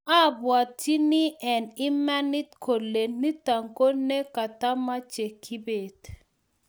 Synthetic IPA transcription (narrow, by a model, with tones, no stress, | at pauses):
a˦˨bwa˨ti˦ni˦ʔɛ˨nɪ˦mɛ˦nɪ˦t̪kʰo˨le˨nni˦ta˨ŋko˦ne˦ka˨ta˦ma˦t͡ʃe˨kʰi˦be˨d